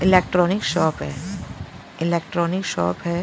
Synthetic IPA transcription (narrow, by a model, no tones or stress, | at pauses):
ɪleːk̚ʈɾɔːnɪkʃɔːpɦɛ̰ː | ɪleːk̚ʈɾɔːnɪkʃɔ̰ːpɦɛ